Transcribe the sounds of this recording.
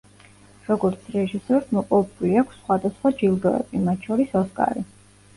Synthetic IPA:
ɾɔɡɔɾt̪sʰɾɛʒisɛɾsmɔpʼɔvɛbuliakʷʰsːχwad̪asχwad͡ʒilˠɡɔɛ̰bimat̪̚t͡ʃʰɔɾisɔskʼa̰ɾi

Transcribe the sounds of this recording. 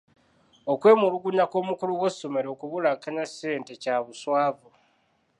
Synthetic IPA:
o̞kwe̞ːmuluɡuɲako̞ːmukuluwosːome̞ɾo̞ːkuβulakaɲase̞ːnte̞caβuswaːvu

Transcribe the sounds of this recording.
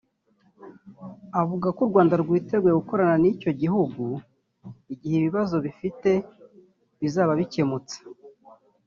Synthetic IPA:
avuɡakuɾɡwaːndaɾɡwiːte̞ɡwe̞ɡuko̞ɾananico̞ɟiɦuɡu | iɟiheβiβazo̞βifite̞ | βizaːβaβice̞mut͡sḁ

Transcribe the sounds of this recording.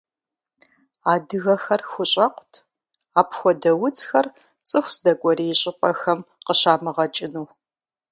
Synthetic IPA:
aːdɨɣɐxɐrxʷʊɕʼɐqʷtʰ | aːpxʷɔdɐwʊt͡sxɐr | t͡sʼɨxʷsdɐkʷʼɔɾijɕʼɪpʼɐxɐmqəɕaːmɨʁɐt͡ʃʼɪnuː

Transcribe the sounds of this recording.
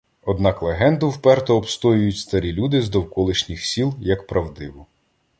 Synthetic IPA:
ɔd̪nɑklˠeɦɛnd̪ʊwpɛrt̪ɔːbst̪ɔjʊjʊtʲst̪ɐɾʲilʲud̪ɪzd̪ɔwkɔlˠɪʃnʲixsʲilˠjɐkpɾɐwd̪ɪʋʊ

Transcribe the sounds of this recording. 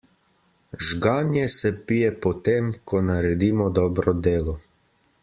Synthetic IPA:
ʒɡaːnjɛsɛpijɛpɔt̪emkʰɔnaɾɛd̪iːmɔd̪ɔːbɾɔd̪eːlɔ

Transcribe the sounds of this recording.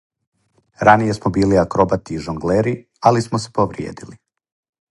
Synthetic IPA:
ɾanije̞smobiːliakɾo̞bat̪iʒoŋɡleɾi | alismose̥poʋɾjḛːd̪ili

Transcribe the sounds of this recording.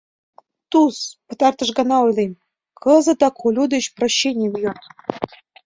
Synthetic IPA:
t̪uspə̆t̪ɑrt̪ɤ̆ʃɡɑnɑojlˠem | kʰɤ̆zɤ̆t̪ɑkʰolʲud̪eɕproɕːenʲijevjon

